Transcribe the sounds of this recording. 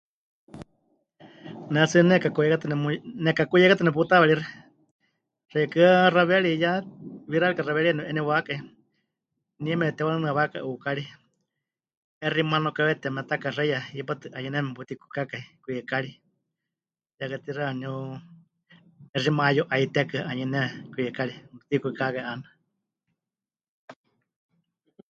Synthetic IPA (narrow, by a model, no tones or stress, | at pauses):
nɛt͡sɨnɛkakujɛkat̪ɨnɛmnɛkakujɛkat̪ɨnɛput̪aβɛɺirɛ | r̥ɛjkɨaraβɛɺijaβiɾalikaraβɛɺianuʔɛnɛwakai | niɛmɛɛt̪ɛwanɨnɨaβaka̰ʔuːkaɺi | ɛrimanokaβɛt̪ɛmɛt̪akarɛjaipat̪ɨʔaɲɛnɛbut̪iku̥kakaikujɛkaɺi | jakat̪iraniu | ɛrimajoʔait̪ɛkɨaɲɛnɛkuɛkaɺiut̪ikukakaiʔana